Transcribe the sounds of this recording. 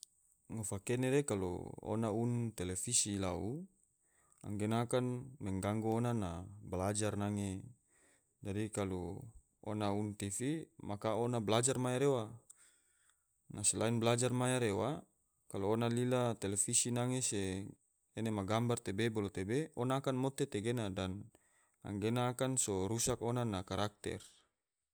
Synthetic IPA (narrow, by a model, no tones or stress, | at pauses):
ŋofakeneɾekalo̰o̰naunt̪elefisilaṵ | a̰ŋɡenakanmɛŋɡaŋɡoonanablad͡ʒarnaŋe | dadikalo | o̰naunt̪ifimakaonablad͡ʒarmajaɾewa | naselainblad͡ʒarmajaɾewa | kaloonalilat̪elefisinaŋeseː | nemaɡambart̪ebebolot̪ebeonaːkanmot̪et̪eɡenadan | a̰ŋɡenaːkansoɾusakonanakaɾak̚t̪ɛ̰r